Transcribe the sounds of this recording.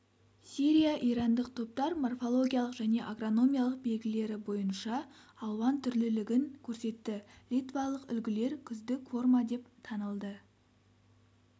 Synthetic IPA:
siɾʲijaʔiɾɑnd̪əq̚t̪ʰo̞p̚t̪ɑɾmorfo̞lˠo̞ɡʲijalˠəqʒ̥æne̞ʔaɡro̞no̞mʲijalˠəq̚be̞lɡʲɪle̞ɾɪbo̞jənʃɑːlˠʁɑnt̪ʰʏɾlɪlɪɡʲɪŋkʲʰɵɾse̞t̪ːɪlʲijt̪vɑlˠəqʏ̰lɡʲɪle̞ɾkʲʰʏzd̪ɪkʲfo̞rmɑd̪e̞pt̪ʰɑnəlˠd̪ə

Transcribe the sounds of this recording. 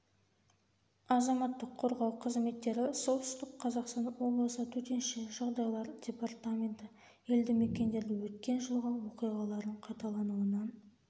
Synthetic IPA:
ɑzɑmɑt̪ːəqʰːo̞ɾʁɑwqʰəzme̞t̪ːe̞ɾɪso̞t̪ʏ̥st̪ɪkqʰɑzɑqst̪ɑnwo̞blˠəsət̪ʰɵt̪e̞nʃɪʒ̥ɑʁd̪ɑjlˠɑɾdʲe̞part̪amʲe̞nt̪ɪ | je̞ld̪ɪme̞kʲe̞nd̪e̞ɾd̪ɪwɵt̪kʲe̞nʒəlˠʁɑwoqijʁɑlˠɑɾd̪əɴqʰɑjt̪ɑlˠɑnuənɑn

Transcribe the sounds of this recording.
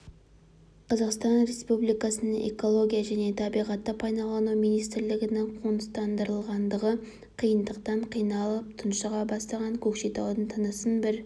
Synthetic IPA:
qʰɑzɑqst̪ɑnɾe̞spublijkɑsənəɴʔe̞̰ko̞lˠo̞ɡʲijaʒæne̞t̪ʰɑbijʁɑt̪ːəpʰɑjnɑlˠɑnumijnijst̪ɪɾlɪɡʲɪnɪŋqʰonəst̪ɑnd̪əɾəlˠʁɑnd̪əʁə | qʰijənd̪əqt̪ɑɴqʰijnɑlˠəp̚t̪ʰʊnʃəʁɑbɑst̪ɑʁɑŋkʲʰɵkʃet̪ɑwd̪ənt̪ʰənəsənbɪɾ

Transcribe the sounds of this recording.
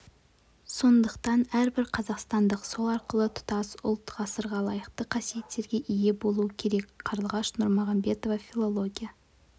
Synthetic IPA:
so̞nd̪əqt̪ɑnæɾbɪɾqʰɑzɑqst̪ɑnd̪əqso̞lˠɑɾqəlˠət̪ʰʊ̥t̪ɑsʊ̰lˠt̪ʁɑsəɾʁɑlˠɑjəqt̪əqʰɑsije̞t̪ːe̞ɾɡʲe̞ʔije̞bo̞lˠuəkʲʰe̞ɾe̞kʲqʰɑɾəlˠʁɑʃnʊɾmoʁɑmbe̞t̪o̞vɑfʲilˠo̞lˠo̞ɡʲijɑ

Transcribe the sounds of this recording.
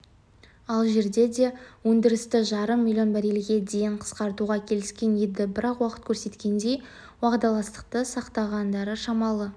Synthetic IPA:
ɑlˠʒe̞ɾd̪e̞d̪e̞wɵnd̪ɪɾɪst̪ɪʒɑɾəmːilʲjo̞nbæɾelɡʲe̞d̪e̞jɪɴqʰə̥sqɑɾt̪uʁɑkʲʰe̞lɪskʲe̞njed̪ɪbɪɾɑqwɑqə̥t̪̚kʲʰɵɾse̞t̪kʲe̞nd̪e̞j | wɑʁd̪ɑlˠɑst̪ə̥q̚t̪əsɑqt̪ɑʁɑnd̪ɑɾəʃɑmɑlˠə

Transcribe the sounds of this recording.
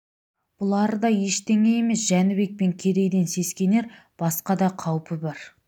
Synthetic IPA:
b̥ʊlˠɑɾəd̪ɑje̞ʃt̪e̞ŋe̞je̞me̞sʒænɪbe̞k̚pe̞ŋkʲʰe̞ɾe̞jd̪e̞nse̞skʲe̞ne̞ɾ | b̥ɑsqɑd̪ɑqʰɑwpəbɑɾ

